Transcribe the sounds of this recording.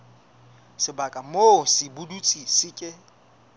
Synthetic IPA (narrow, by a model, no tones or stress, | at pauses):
sɪbakʼamosɪbudut͡sʼisɪkʼɪ